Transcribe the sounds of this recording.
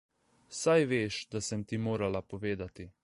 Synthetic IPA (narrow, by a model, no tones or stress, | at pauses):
sajʋeːʃd̪asɛmt̪imoːɾalapoʋeːd̪at̪i